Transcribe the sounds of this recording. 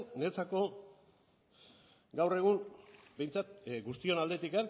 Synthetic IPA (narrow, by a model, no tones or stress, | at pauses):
net͡sako̞ | ɡawre̞ɣ̞uŋbe̞jnt͡sat̪ɡust̪io̞nald̪e̞t̪ikan